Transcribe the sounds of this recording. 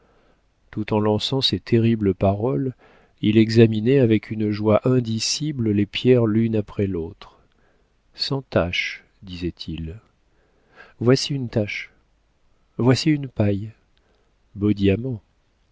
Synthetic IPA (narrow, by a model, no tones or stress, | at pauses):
t̪ut̪ɑ̃lɑ̃sɑ̃set̪ʰeʁibləpaʁɔl | ilɛɡzaminɛavɛkʰynʒwaʔɛ̃d̪isibləlepjɛʁlynapχɛlot̪χ | sɑ̃t̪aʃ | d̪izɛt̪ʰil | vwasiynt̪aʃ | vwasiynpaj | bod̪jamɑ̃